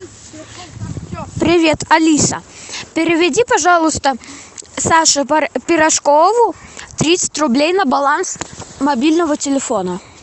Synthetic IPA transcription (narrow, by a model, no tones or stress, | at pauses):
pɾʲɪvʲet̪ʰɐlʲisə̰pʲɪɾʲɪvʲɪdʲipɐʐalˠʊst̪əsaʂɨpʲɪɾɐʂkovʊt̪ɾʲit̪sə̥tʲrʊblʲejnəbɐlˠansmɐbʲilʲnəvətʲɪlʲɪfonə